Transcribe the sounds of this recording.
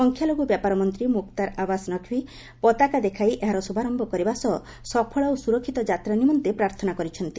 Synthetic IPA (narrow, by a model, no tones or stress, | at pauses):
ɔŋkʰjaloɡubjapaɾɔmɔnt̪ɾimuk̚t̪aɾabasnɔkʰwi | pɔt̪akad̪ekʰajʔeɦaɾɔsubʱaɾɔmbɔkɔɾibasɔ | sɔpʰɔɭɔosuɾɔkʰːit̪ɔd͡ʒat̪ɾanimɔnt̪epɾaɾt̪ʰɔnakɔɾit͡ʃʰɔnt̪i